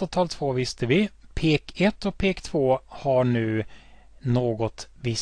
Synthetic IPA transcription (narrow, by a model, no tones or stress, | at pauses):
at̪ʰɑːlt̪ʰvoːvɪst̪əʋɪpʰeːkʰɛt̪ːɔk̚pʰeːkt̪ʰv̥oːhɑɳʉ̟ː | noːɡɔt̪vɪ